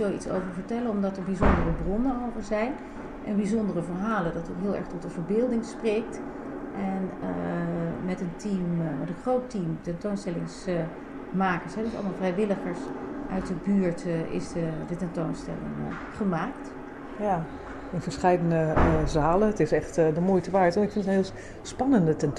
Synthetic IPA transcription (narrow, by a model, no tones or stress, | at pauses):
əlˠitso̰wvəɹvəɹtɛlənɔmdɑtəɹbizɔndərəbrɔnənolvəɹzɛjn | ʔɛnbizɔndərəvəɹɦaːlədɑtɔkɦɪːlˠɛ̰ɹχtɔtənvəɹbɪːlˠdɪŋsprejk̚t | ʔɛnə | mɛtəntimmɛtə̃nχrowtimtɛntownstɛlɪŋs | maːkəɹsɦɛdəsɑ̰lˠəmalˠvrɛjʋɪləχəɹsʔœ̰ɥt̚dəbyːɹtɪ̰sdədətɛntownstɛ̰lɪ̰ŋ | χəmaːkt | ja | ɪnvəɹsχɛjdənəzaːləətɪsɛχtdəmoːjtəʋaːɹtɔnɪkfɪntənɦɪːlˠ | spɑnəndətɛn